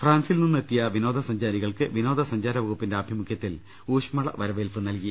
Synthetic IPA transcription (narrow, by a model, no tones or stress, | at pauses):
fraːnsilnunːɨet̪ːijɐʋino̞ːd̪ʱɐsɐɲd͡ʑaːɾiɣɐɭkɨʋino̞ːd̪ɐsɐɲd͡ʑaːɾɐʋɐɣupːindeɐbʱjɐmukʰjɐt̪ːil | uːʂmɐɭɐ̰ʋɐɾɐʋelpɨnɐlki